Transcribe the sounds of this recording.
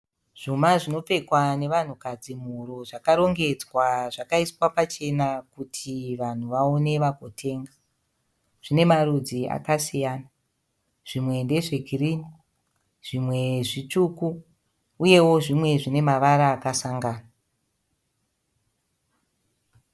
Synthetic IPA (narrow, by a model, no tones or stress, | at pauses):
ʐ̥umaʐino̞pe̞kwane̞ʋan̤ukad͡zim̤uɾoʐakaɾo̞ŋɡe̞d͡zwaʐakaiswapat͡ʃe̞nakutʰiʋan̤uʋao̞ne̞ʋaɡʱotʰe̞ːŋɡa | ʐ̥ine̞marud͡zia̰kasijaːna | ʐ̥imwe̞nde̞ʐeɡʱirini | ʐ̥imwe̞ʐit͡ʃukuː | je̞wo̞ʐimwe̞ʐine̞maʋaɾaːkasaŋɡaːna